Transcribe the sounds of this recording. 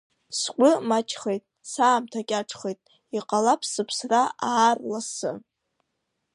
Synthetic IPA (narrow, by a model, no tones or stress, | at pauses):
skʷʼʊmat͡ʃʰʼχejtʼ | saːmtʰakʲʼaʈ͡ʂʰʼχejtʼ | iqʼalapʰsɨpʰsraaːrlasɨ̰